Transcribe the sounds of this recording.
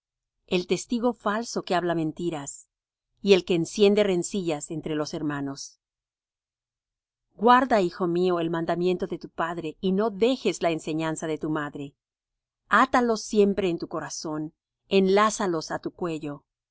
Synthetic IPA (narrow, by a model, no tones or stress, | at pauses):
e̞lt̪e̞st̪iɣo̞falso̞keaβlamẽ̞nt̪iɾas | ie̞lke̞ːnsje̞nd̪e̞re̞nsiʝase̞nt̪ɾe̞lo̞se̞ɾmano̞s | ɡwaɾðaixo̞mio̞e̞lmãnd̪amje̞nt̪o̞ðe̞t̪upaðɾe̞ino̞ðe̞xe̞zlaense̞ɲansaðe̞t̪umaðɾe̞ | at̪alo̞sje̞mpɾe̞ːnt̪uko̞ɾaso̞n | e̞nlasalo̞sat̪ukwe̞ʝo̞